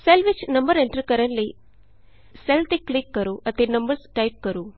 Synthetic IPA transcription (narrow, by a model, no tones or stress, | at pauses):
selʋit͡ʃnɐmbɐɾeɳʈɾɐɾkɐɾɐnli | selt̪iklikːɐɾuʔɐt̪inɐmbɐɾsʈɐjp̚kɐɾu